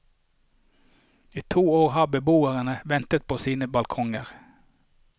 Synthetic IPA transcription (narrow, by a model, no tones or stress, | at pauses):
iːt̪ʰuːoːʁhɑːbəbuːəʁənəʋɛnt̪ət̪̚pʰoːsiːnəbɑlkʰɔŋəʁ